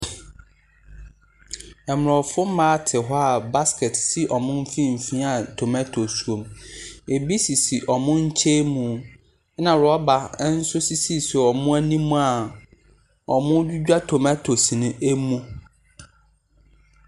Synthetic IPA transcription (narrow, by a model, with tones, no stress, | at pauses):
ɛ˨m˨ɾɔ˨fʊ˦m̩˦mãː˦tʰɪ˨ɦɔ˦a˨ba˦skɛ˨tsi˦ʔɔ˨mʊ̃˦m̩˦fĩ˦m̩˨fĩ˦a˨tʰo˨mæ˦tʰo˨su˨o˨me˨bi˦si˨si˨ʔɔ˨mʊ̃˦ɲ̩˦t͡ɕʰe˦mũ˨˦ | nã˨ɾɔ˦ba˨˦n̩˦sʊ˦si˦si˦si˨ɔ˨mʊ̃˦æ˦nĩ˦mũ˦a˨ | ɔ˨mʊ̃˦du˦d͡ʑᶣa˦tʰo˨mɛ˦tʰo˨si˨nʊ̃˦ʔe˦mũ˦